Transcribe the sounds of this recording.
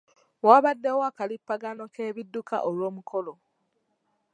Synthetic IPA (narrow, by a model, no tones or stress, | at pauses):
waβadːe̞woakalipːaɡano̞keːβidːuka̰ʔolwo̞ːmuko̞lo̞